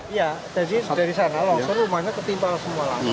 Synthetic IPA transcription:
ijad͡ʒadidaɾisanalɔŋsɔnrumahɲat̪ərt̪impalsəmuala̰

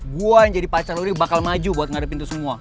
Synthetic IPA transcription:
ɡuajaŋd͡ʒadipat͡ʃaɾinibakalmad͡ʒubuat̪ŋadapint̪usəmua

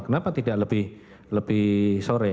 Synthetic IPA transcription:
kənapat̪idaʔləb̥ɪh | ləbɪhsoɾɛ

